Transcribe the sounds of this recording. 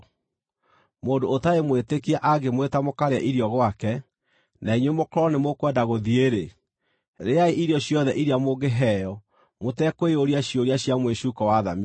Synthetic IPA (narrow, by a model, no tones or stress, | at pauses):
moːndoːtaemwetekiaʔaɡemwetamokaɾeaʔiɾiɔɣwakɛ | naiɲwemokɔɾɔnemokwɛndaɣoðieɾe | ɾeaeʔiɾjɔɕjɔðɛʔiɾiamoɡeɦɛjɔ | motɛkoeoɾiaɕioɾiaɕjamweɕuːkɔwaða̰mi